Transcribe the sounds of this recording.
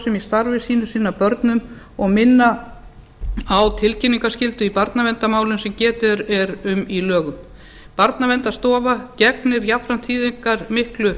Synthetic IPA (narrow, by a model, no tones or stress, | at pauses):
sɛmist̪aɾvɪsiːnʏsiːnapœɾt̪nʏm | ɔɣmɪnːa | awt̪ʰɪlcɪnːiŋkascɪlt̪ʏipaɾt̪navɛnt̪amaːwlʏnsɛmcɛːt̪ɪɾɛɾʏmilœːɣʏm | paɾt̪navɛnt̪ast̪ɔːvacɛknɪɾjapɾan̥t̪ʰiːðiŋkaɾ̥mɪhklʏ